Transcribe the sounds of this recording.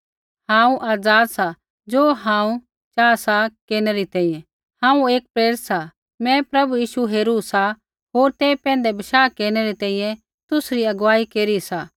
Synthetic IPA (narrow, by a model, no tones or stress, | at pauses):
hãːũʔaːd͡zaːd̪sa | d͡ʒoːɦãːũ | t͡ʃaːsakeːɾnɛɾit̪ɛ̃ːĩːjɛ̃ | hãːũeːk̚pɾeːɾɪt̪sa | mɛ̃pɾɐbujiːʃuɦeːɾusa | ɦoːɾt̪eːpɛ̃ːnd̪ɛbɪʃaːkeːɾnɛɾit̪ɛ̃ːĩːjɛ̃ | t̪ʊsɾiɐɡʋaːikeːɾisa